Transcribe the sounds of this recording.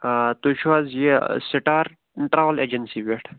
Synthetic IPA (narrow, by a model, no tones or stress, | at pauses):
t̪uʃazjesiʈaːɾ | ʈɾaːʋɐled͡ʒɐnsiʋeʈʰ